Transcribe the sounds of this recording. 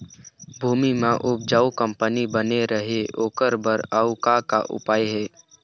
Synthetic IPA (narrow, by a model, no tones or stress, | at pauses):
bʱuːmimãʔʊb̚d͡ʒaːukə̃mpənibəneɾəɦeoːkəɾbəɾaukakaʔʊ̰paːeɦɛː